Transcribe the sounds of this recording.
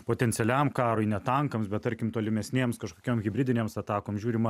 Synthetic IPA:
poːt̪ʲɛnʲt͡ssʲɛlʲæmkɑːɾoɪnʲɛt̪ɐŋkɐmsbʲɛt̪t̪ɐɾʲkʲɪmt̪oːlʲɪmʲɛsʲnʲeːmskɐʃkoːkʲoːmɣʲɪbʲɪd̪ʲɪnʲeːmsɐt̪ɑːkoːmʒʲuːɾʲɪmɐ

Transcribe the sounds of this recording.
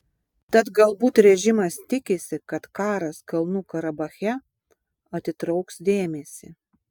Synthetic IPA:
t̪ɐt̪ɡɐlˠbuːt̪ɾʲɛʒʲɪmɐst̪ʲɪkʲɪsʲɪkɐt̪kɑːɾɐskɐlˠnuːkɐɾɐbɐxʲɛ | ɐt̪ʲɪt̪ɾɐʊksd̪ʲeːmʲesʲɪ

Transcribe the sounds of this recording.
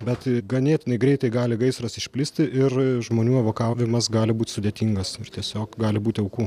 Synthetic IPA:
bʲɛt̪ɡɐnʲeːt̪ʲɪnɐɪɡɾʲɛɪt̪ɐɪɡɑːlʲɪɡɐɪsɾɐsɪʃʲpʲlʲɪsʲt̪ʲɪʔɪrʒmoːnʲuːɐʋoːkɑːʋʲɪmɐsɡɑːlʲɪbuːt̪ʲsʊd̪ʲeːt̪ʲiːŋɡɐsɪrt̪ʲiɛsʲoːkɡɑːlʲɪbuːt̪ʲɪɐʊkuː

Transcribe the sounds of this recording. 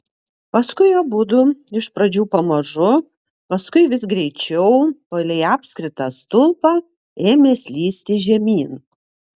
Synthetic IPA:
pɐskʊɪjobʊd̪ʊɪʃpɾɐd͡ʒʲuːpɐmɐʒʊ | pɐskʊɪʋʲɪsɡɾʲɛɪt͡ʃʲɛʊpɐlʲɛɪɑːpʲsʲkɾʲɪt̪ɑːst̪ʊlˠpɑː | eːmʲeːsʲlʲiːsʲt̪ʲɪʒʲɛmʲiːn

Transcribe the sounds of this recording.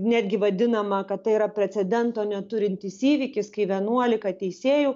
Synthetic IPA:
nʲæːd̪ʲɡʲɪʋɐd̪ʲɪnɐmɐkɐt̪t̪ːɐɪiɾɐpʲɾʲɛt͡s̪ʲɛd̪ʲɛnt̪oːnʲɛt̪ʊɾʲɪnʲt̪ʲiːsiːʋʲɪkʲɪskɐɪʋʲiɛnuɔlʲɪkɐt̪ʲɛɪsʲeːjuː

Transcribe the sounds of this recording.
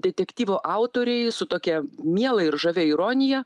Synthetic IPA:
d̪ʲɛt̪ʲɛkt̪ʲiːʋoːʔɑˑʊt̪oːɾʲɛɪsʊt̪oːkʲiɛmʲiɛlˠɐɪɾʒɐʋʲɛɪɾoːnʲɪjɛ

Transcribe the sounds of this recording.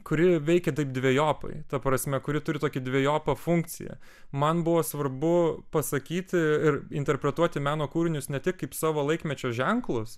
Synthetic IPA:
kʊɾʲɪʋʲɛɪkʲɛt̪ɐɪp̚d̪ʲʋʲeɛjoːpɐ̰ɪt̪ɐpɾɐsʲmʲɛkʊɾʲɪt̪ʊɾʲɪt̪oːkʲɪd̪ʲʋʲeɛjoːpɐfʊŋk̚t͡ssʲɪ̰jɛ̰ | mɐnbʊʋoːsʋɐɾbʊpɐsɐkʲiːt̪ʲɪɪɾɪnʲt̪ʲɛɾʲpʲɾʲɛt̪uɔt̪ʲɪmʲæːnoːkuːɾʲɪnʲʊsnʲɛt̪ʲɪkkɐɪpsɑːʋoːlˠɐɪkmʲɛt͡ʃʲoːʒʲɛŋklˠʊs

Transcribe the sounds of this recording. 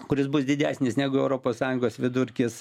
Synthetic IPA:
kʊɾʲɪsbʊsd̪ʲɪd̪ʲæːsʲnʲɪsnʲæːɡʊɛʊɾoːpoːssɑːjʊŋɡoːsʋʲɪd̪ʊɾʲkʲɪs

